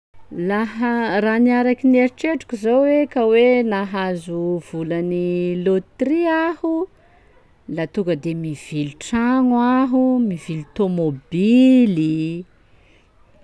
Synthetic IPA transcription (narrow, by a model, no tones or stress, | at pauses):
laɦaraniaɾakineɾiʈ͡ʂeʈ͡ʂu̥kʲizowwekawenaɦazuv̥ulanilot̪riahu | lat̪uɡəd̪emiv̥iluʈ͡ʂaŋwaɦumivilut̪omobili